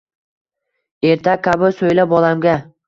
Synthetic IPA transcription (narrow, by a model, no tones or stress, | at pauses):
e̞ɾt̪ʰakʲʰabɪsojlabɒlamɡʲa